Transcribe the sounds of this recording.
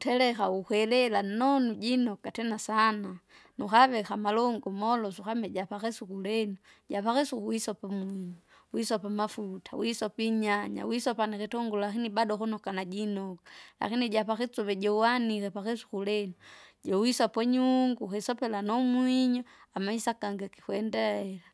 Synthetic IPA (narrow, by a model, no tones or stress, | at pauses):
utɛlɛkaukwɛlɛlanɔnuɟinɔkatɛnasananuxaβɛxamalɔŋɡɔmɔlɔsuxamɛɟapakɛsukulɛnu | ɟapaxɛsukuwisɔpamwiɲɔ | wisɔpamafutʰa̰wisɔpiɲaɲa̰wisɔpanikitɔŋɡullakinibadɔxunɔkanaɟinɔkḁla̰kiniɟapakɛt͡suβɛɟɔwanikɛpakɛsu̥kulɛnuɟɔwisapɔɲuŋɡuxisɔpɛlanɔmwiɲɔamaisakaŋɡaki̥xwɛndɛɛla